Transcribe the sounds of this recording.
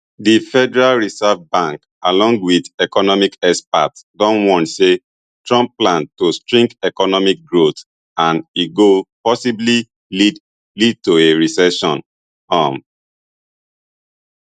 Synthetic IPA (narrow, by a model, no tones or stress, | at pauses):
difɛdɛɹalɹisɛvbãŋk | alɔ̃ŋɡwidɛkɔnɔmikɛspatdɔ̃nwɔ̃ntse | tɹɔ̃mpplãntostɹĩŋɡɛkɔnɔmik̚ɡɹot | ãniɡopɔsibli | lid | lid̚toeɹisɛʃɔ̰̃n | ãm